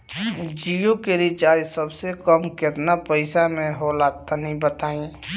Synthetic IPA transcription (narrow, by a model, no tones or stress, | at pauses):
d͡ʒijõkeɾit͡ʃaːjsəbsekəmkɪt̪napəɪsamẽɦolaːt̪anəɦĩbət̪aːĩ